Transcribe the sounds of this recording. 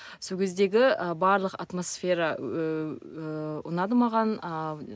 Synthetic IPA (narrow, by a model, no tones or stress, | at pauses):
so̞kʲʰe̞zd̪e̞ɡʲɪəbɑɾlˠəqɑ̰t̪mo̞sfʲe̞ɾɑ | ʊ̰nɑd̪əmɑʁɑnə